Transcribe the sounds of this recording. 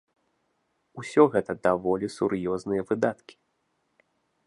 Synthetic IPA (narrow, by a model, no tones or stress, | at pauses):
usʲɔɣɛt̪ɐd̪avɔlʲisurjɔznɨjɐvɨd̪at̪kʲi̥